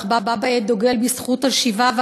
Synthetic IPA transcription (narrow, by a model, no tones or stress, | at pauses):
χbababaed̪oɡelbisχutalʃivav